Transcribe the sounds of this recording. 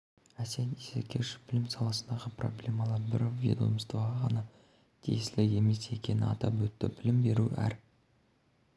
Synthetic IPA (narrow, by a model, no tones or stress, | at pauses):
æsenisekʲʰeʃɪ̥b̥ɪlɪmsɑlˠɑsənd̪ɑʁəpro̞̰blʲe̞mɑlˠɑɾbɪɾvʲḭd̪ṵjmst̪əɑɑʁɑnɑ | t̪ʲʰḭjslɪɡe̞me̞se̞kʲe̞nɪɑt̪ɑpwɵt̪ːɪbɪlɪmbe̞ɾuæ̰ɾ